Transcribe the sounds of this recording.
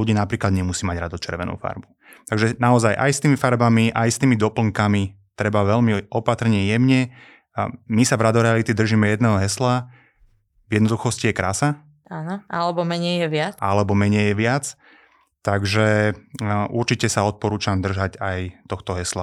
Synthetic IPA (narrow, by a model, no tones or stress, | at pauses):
uɟiːnapɾiːklad̪ɲɛmusiːmaɟɾad̪ɔt͡ʃɛ̰ɾʋɛnṵːfa̰ɾbu | t̪aɡʒɛnaɔzajʔa̰jst̪iːmifaɾbamiʔajst̪iːmid̪ɔpl̩ŋkami | t̪ɾɛbaʋɛʎmiɔpat̪r̩ɲɛjɛmɲɛ | misavɾad̪ɔɾɛalit̪id̪r̩ʒiːmɛjɛd̪nɛːɦɔɦɛsla | vjɛd̪nɔd̪uxɔscijɛkɾaːsa | aːnɔalɛbɔmɛɲɛjɛʋɪaalɛbɔmɛɲɛjjɛʋɪat͡s | t̪aɡʒɛ | ʔuɾt͡ʃicɛsaɔt̪̚pɔɾuːt͡ʃamd̪r̩ʒacajt̪ɔxt̪ɔɦɛsla